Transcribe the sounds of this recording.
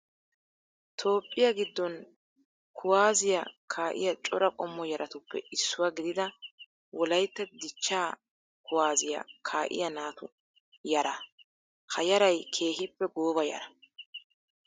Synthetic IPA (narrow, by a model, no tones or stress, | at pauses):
t̪ʰo̞ːpʼːɪjɐɡɪd̪ːɔn | kʰʊwaːzɪjɐkʰaːʔɪ̰jɐt͡ʃʼɔɾɐkʼɔmːɔjɐɾʔɐt̪ʊpːɛ̰ɪsːʊwaɡɪd̪ɪd̪ɐ | wɔlɐjt̪ːɛd̪ɪt͡ʃːaː | kʊwaːzɪjɐ̰kʰaːʔɪ̰jɐnaːt̪ʊ | jɐɾɐ | kɐjɐɾɐjkʰe̞ːɦɪpːɛɡoːbɐjɐ̰ɾɐ